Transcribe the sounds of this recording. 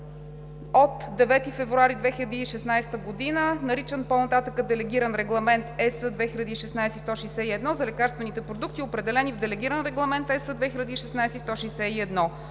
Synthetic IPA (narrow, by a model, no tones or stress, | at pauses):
ot̪d̪ɛvɛt̪ifɛvɾuaɾid̪vɛxilʲəd̪iːʃɛsnajst̪əɡod̪inənɐɾit͡ʃənponɐt̪at̪əkəd̪ɛlɛɡʲiɾənɾɛɡlˠɐmɛnt̪ɛsəd̪vɛxiʎʲɐd̪iːʃɛsnajsɛist̪ɔʃijsɛiɛd̪nɔzɐlɛkaɾst̪vɛnit̪ɛpɾod̪ukt̪iopɾɛd̪ɛlɛnivd̪ɛlɛɡʲiɾənɾɛɡlˠɐmɛnt̪ɛsəd̪vɛxilʲɐd̪iːʃɛsnajsɛist̪ɔʃijsɛiɛd̪nɔ